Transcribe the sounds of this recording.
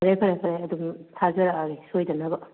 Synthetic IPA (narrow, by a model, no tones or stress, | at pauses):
ɾepʰɐɾapʰɐɾajɐdumtʰazɐɾaaɾisojdɐnɐbɐ